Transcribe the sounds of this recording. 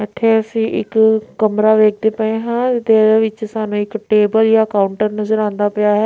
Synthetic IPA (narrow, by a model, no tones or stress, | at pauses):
ət̪ʰːeːəsĩːʔɪ̰kːəmɾaːʋeːk̚ʰd̪eːpəẽːɦãːɪt̪eʋɪt͡ʃsaːnũːɪkʈeːbəljaːəkaːʊɳʈəɾnəzəɾãːnd̪aːpɪjaːɦɛː